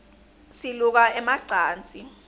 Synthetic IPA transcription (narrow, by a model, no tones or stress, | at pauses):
siluk̬aɛmaǀaːnt͡sʼi